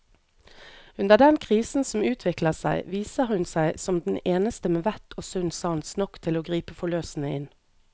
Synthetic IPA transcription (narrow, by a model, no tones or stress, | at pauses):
ʉnd̪əʁd̪ɛnkʰʁiːsn̩sɔmʉːt̪ʰʋɪkləʁsæ̰ɪʋiːsəhʉnsæɪsɔmd̪n̩eːnəst̪əmeːʋæt̪ʰoːsʉnsɑːnsnɔkt̪ʰɪloːɡʁiːpəfɔløːsn̩əɪn